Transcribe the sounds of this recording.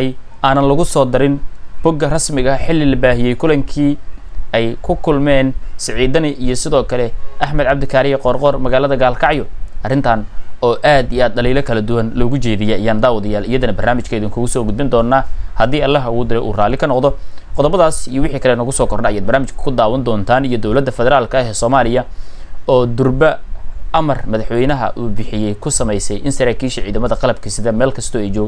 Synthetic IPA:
jʔaːnɐnlɐɣʊsɔːd̪ɪɾɪnb̥ɔɡɐrɐsmɪɣɐħɪlːɪlɐbaːɦɪjɛjkʰʊlɐŋkʰiːɛjkʰʊkʰʊlmɛːnsɪʕiːd̪ɐnɪʔijɔsɪðɔːkʰɐlɛʔɐħmɐd̪ʕɑb̚d̪ɪkʰaːɾɪjɛqɔːrqɔrmɐɣaːlɐðɐɡaːlkʰɑʕjɔʔɐrɪnt̪ʰaːnɔːʔaːd̪iaːd̪̚dɐliːlɐkʰɐlɐd̪ʊwɐnlɔːɣʊt͡ʃɛːðɪjɛɐjaːnd̪aːwɐðɐjaːlɪjɐðɐnɐbɐrnaːmɪt͡ʃkʰɐɪðɪŋkʰʊɣʊsɔːɡʊd̪̚bɪnd̪ɔːnːaːhɐd̪iːɐlːɐɦɐwʊːd̪ɪɾɛjʔṵːraːlɪkʰɐnɔqd̪ɔqɔðɔbɐðaːsijɔwɪħiːkʰɐlɛːnɔɣʊsɔːkʰɔrnɐɐjaːd̪̚bɐrnaːmɪt͡ʃkʰɐ̥kʰʊd̪aːwɐnd̪ɔːnt̪ʰaːnijɔd̪ɔwlɐd̪ːɐfɛðɛɾaːlkʰɐɦɛːsɔːmaːlɪjɐɔːd̪ʊrbɐʔɐmɐrmɐðɐħwɛjnɐɦɐ̰ʔuːbɪħɪjɛjkʰʊsɐmɛjsɛjʔɪnsɐɾaːkʰiːʃɐʕiːðɐmɐðɐqɑlɐb̚kʰɐsɪðɐmɛːlkʰɐst̪ʰɔːɛjt͡ʃɔːɡɣ

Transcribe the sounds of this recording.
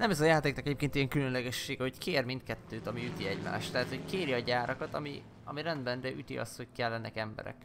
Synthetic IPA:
nɛmɛzɒjaːt̪eːknkɛɟeːp̚keːnijɛŋkylønlɛɡɛʃːeːɡɛho̞ckeːrmint̪̚kɛt̪ːøːt̪ɒmiyt̪iɛɟma̰ːʃt̪ːɛɦaːt̪ho̞ckeːɾjɛɒɟaːɾʔɒkɒt̪ɒmi | ɒmiɾɛnd̪bɛndɛʔyt̪ḭɒ̰st̪ho̞ckɛlːɛnːɛkɛmbɛ̰ɾɛ̰k

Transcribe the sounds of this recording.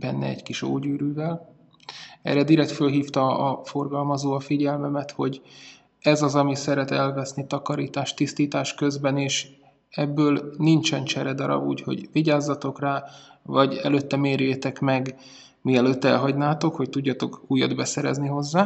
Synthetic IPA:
b̥ɛnːɛ̰ɛ̰ɟkiʃo̰ːɟyːɾyːvɛl | ɛ̰ɾɛd̪iɾɛkt̪følɦiːft̪ɒɒfo̞rɡɒlmɒzoːɒfiɟɛlmɛmɛt̪ho̞ɟ | ɛzɒzɒmisɛɾɛt̪ɛlvɛsnit̪ɒkɒɾiːt̪aːʃt̪ist̪iːt̪aːʃkøzbɛneːʃ | ɛbːøːlnint͡ʃɛnt͡ʃɛɾɛd̪ɒɾɒ̰bṵːcho̞̰ɟviɟaːzːɒt̪o̞kraːvɒɟɛløːt̪ːɛmeːɾjeːt̪ɛkmɛɡ | miɛløːt̪ːɛ̰lɦɒɟnaːt̪o̞kho̞ct̪uɟːɒt̪o̞kuːjːɒ̰d̪bɛsɛɾɛ̰zniɦo̞zːaː

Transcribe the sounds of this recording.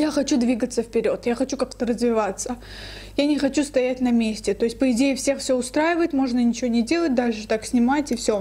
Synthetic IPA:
jaxɐt͡ɕud̪vʲiɡət̪səfpʲɪɾʲo̞t̪jaxɐt͡ɕukakt̪ərəzvʲɪvat̪sə | janʲɪxɐt͡ɕust̪ɐjætʲnɐmʲesʲtʲɪt̪o̞ɪsʲt̚ʲpəɪdʲejɪfsʲe̞xfsʲoʊst̪ɾajɪvəjɪt̪mo̞ʐnənʲɪt͡ɕɪvonʲɪdʲe̞lˠət̚ʲd̪aʂɨt̪aksʲnʲɪmatʲɪfsʲo

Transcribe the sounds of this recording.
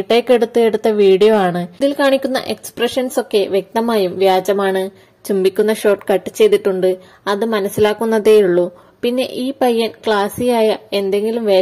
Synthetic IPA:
ʈːe̞ːkːe̞ɽut̪ːue̞ɽut̪ːɐʋiːɽijoaːɳɨðilkaːɳikʲːunːɐ̰ʔe̞kspreʂɐnso̞kːe̞ʋje̞k̚t̪ɐmaːjumʋjaːd͡ʑɐmaːɳɨ | t͡ɕumbikʲːun̪ːɐɕo̞ːrʈːkɐʈːɨt͡ɕːe̞jt̪iʈːuɳɖɨ | ɐðɨmɐnɐsilaːkːunːɐðe̞juɭːu | pinːe̞̰ʔiːpɐjːɐnkɭaːsijaːjɐe̞nd̪e̞ŋɡilumʋeː

